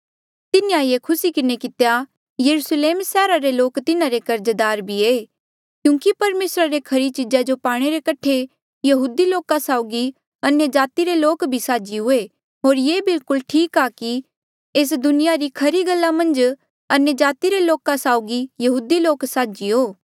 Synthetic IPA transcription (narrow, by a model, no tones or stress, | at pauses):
t̪ɪnijajekʰʊsikɪnekɪt̪eja | jɐɾusleːmsɛːɾaɾeloːkt̪ɪnaɾekɐɾd͡ʒəd̪aːɾbʱieː | kjũːkipɐɾmeːsɾaɾekʰɐɾit͡ʃɪd͡ʒad͡ʒopaːɽ̃eɾekɐʈʰːe | jɐɦuːd̪iloːkasaːʊɡi | ɐnjəd͡ʒaːt̪iɾeloːkbʱisaːd͡ʒiɦʊe | ɦoːɾjeːbɪlkʊlʈʰiːkaki | eːs̬d̪ʊnɪjaɾikʰɐɾiɡɐlːamɐ̃nd͡ʒ | ɐnjəd͡ʒaːt̪iɾeloːkasaːʊɡijɐɦuːd̪iloːksaːd͡ʒiɦoː